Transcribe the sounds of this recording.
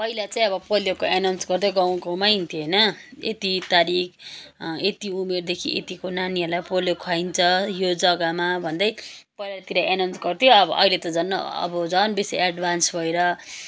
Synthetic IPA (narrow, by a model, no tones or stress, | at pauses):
pʌilat͡saĩʌbʌpoljokoʔenawnsɡʌrd̪ʌɡaw̃komajint̪ʰijoɦjnʌḛt̪it̪aɾik̚ | et̪iumerd̪ekʰiʔḛt̪ikonaniɦʌlajpoljokʰwaint͡sʰʌjod͡zʌɡamabʱʌnd̪ʌjpʌjlat̪iɾʌʔenawnt͡sɡʌrt̪ʰjoʌbʌʌ̰ilet̪ʌd͡zʌnːʌ̰ʌ̰bʌd͡zʌnbisḛaɖbʱansbʱʌeɾʌ